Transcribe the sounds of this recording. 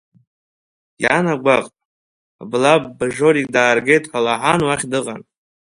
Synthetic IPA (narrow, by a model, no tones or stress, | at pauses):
janaɡʷaqʼ | blab̚ːɨʐo̞ɾikʼdaːrɡe̞jtʼħalaħanwaχʲdɨqʼa̰n